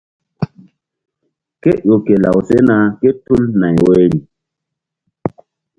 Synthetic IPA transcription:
ke˦jo˨ke˨la̰˨wse˦na˧ke˦tu˦lna˨jwe˦ni˨

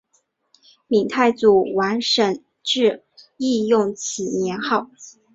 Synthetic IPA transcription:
mi˨˩ŋt̪ʰa˥˩ɪt͡su˨˩wa˧˥nʂə˨˩n | ʈ͡ʂɻ̩˥˧ | i˥˧jʊ˥˩ŋt͡ɕʰi˨˩njɛ˧˥nxɑ˥˩ʊ

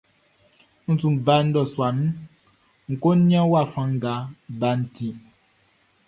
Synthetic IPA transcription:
n̩˦tũ˨ba˧˦n̩˦dɔ˨swa˨nũ˦ | ŋ̩˨ko˦ĩ˦ã˦wa˦˨fã˨ŋ̩˦ɡa˨˦ba˨˦n̩˨˦tĩ˨

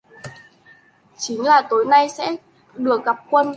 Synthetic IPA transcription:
t͡ɕï˨˦ŋ̟laː˨˩t̪o˨˦jna˧jsɛ̰˧˥ | ɗɨ˨˩ək̚ɣa˨˩p̚kwə˧n

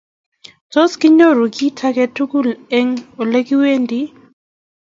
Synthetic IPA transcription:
tɔ˦ski˦ɲɔ˦ɾu˨ki˦tʰa˦kɛ˨tʰu˦ku˦lɛ˦ŋɔ˨le˦ki˦we˦ndi˦

